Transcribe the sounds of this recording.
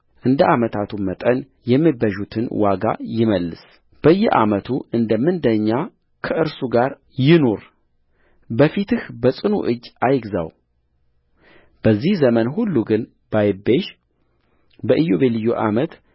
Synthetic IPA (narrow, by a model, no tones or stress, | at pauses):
ʔɨnd̪əʔamət̪ʰat̪ʰumət̪ʼən | jɛmːibəʒut̪ʰɨnwaɡa̰jɪməlːɨs | b̥əjːɛʔa̰mət̪ʰuʔɨnd̪əmːɨnd̪əɲːa | kʰəʔɨɾsuɡaɾ | jɪno̞ɾ | bəfit̪ɨhbəsʼɨnṵʔɨd͡ʒːajɪɡza̰w | b̥əzːihzəmənhulːuɡɨn | bajɪbeʃ | bəʔɨjoβelɨjːoʔamət̪